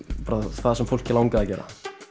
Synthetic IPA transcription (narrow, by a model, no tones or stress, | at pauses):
paɾavaðsɛmfowl̥cɪlawŋkaðacɛːɾa̰